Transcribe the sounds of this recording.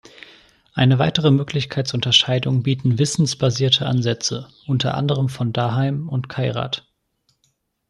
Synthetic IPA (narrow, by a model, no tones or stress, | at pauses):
ʔaɪnəvaɪtəʁ̞əmøːklɪçkʰaɪt͡sʊntɐʃaɪdʊŋbiːtn̩vɪsn̩sb̥aziːɐtʰəʔa̰nzɛt͡səʔʊntʰɐ̰ʔa̰ndəʁ̞əmfɔndaːɦaɪmʊntkʰaɪʁa̰ːt